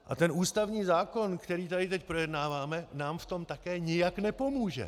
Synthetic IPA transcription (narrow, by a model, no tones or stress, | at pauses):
ʔa̰t̪ɛnuːst̪avɲiːzaːko̞nkt̪ɛɾiːt̪adɪt̪ɛcpɾo̞jɛdnaːvaːmɛnaːmft̪o̞mt̪akɛːɲɪjaknɛpo̞muːʒɛ̰